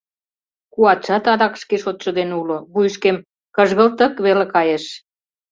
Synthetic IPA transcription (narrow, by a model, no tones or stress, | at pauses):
kuɑt̪ʃɑt̪ɑd̪ɑkʃkeʃot̪ʃŏd̪enuloβujʃkem | kəʒɣə̆lt̪ə̆kβelekɑjeʃ